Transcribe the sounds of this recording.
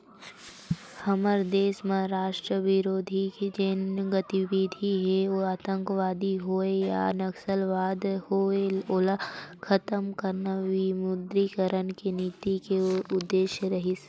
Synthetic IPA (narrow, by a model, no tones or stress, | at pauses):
hɐməɾd̪eːsmãɾaːʃʈɾəʋɪɾoːd̪ʱiked͡ʒenɡət̪iʋid̪ʱiɦeoaːt̪ə̃ŋkəʋaːd̪iɦoeja̰nɐksəlʋaːd̪hoeolkʰɐt̪əmkəɾnaʋimʊd̪ɾikəɾənkeniːt̪ikeʊd̪ːeːʃjɾɐɦis